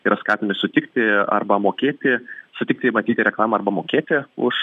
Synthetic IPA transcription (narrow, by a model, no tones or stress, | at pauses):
iːɾɐskɑːt̪ʲɪmʲɪsʊt̪ʲɪkt̪ʲɪɐ̰rbɐmoːkʲeːt̪ʲɪsʊt̪ʲɪk̚t̪ʲɪmɐt̪ʲiːt̪ʲɪɾʲɛklˠɑːmɐɐɾrbɐmoːkʲeːt̪ʲɪʊ̰ʃ